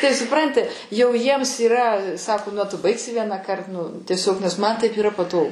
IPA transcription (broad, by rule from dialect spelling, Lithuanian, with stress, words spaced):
ˈtɐɪ sʊˈprɐnʲtʲɪ jɛʊ ˈjiɛms iːˈrɐ ˈsɑːkoː nʊ ɐ tʊ ˈbɐɪksʲɪ ˈʋʲiɛnɑːkɐrt nʊ tʲiɛˈsʲoːk nʲɛs mɐn tɐɪp iːˈrɐ pɐˈtoːɡʊ